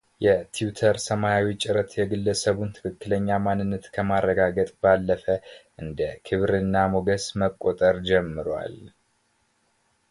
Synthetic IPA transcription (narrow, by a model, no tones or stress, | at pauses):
jɛt̪ʰijut̪ʰəɾsəmajawit͡ʃʼɪɾət̪jɛɡɨlːəsəβunt̪ʰɨ̥kɨkːɨləɲːamanːɨnːət̪kʰəmarːəɡaɡət̪ʼbalːəfəʔɨnd̪əkʰɨβɾɨnːamoɡəsməkʼːot̪ʼəɾd͡ʒɛmːɨɾwa̰l